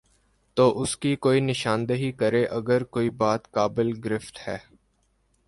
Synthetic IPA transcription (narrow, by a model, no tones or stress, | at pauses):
t̪oːʔʊskikoːinɪʃãːnd̪əɦikəɾeʔɐɡəɾkoːibaːt̪kaːbɪlɡɾɪft̪hɛː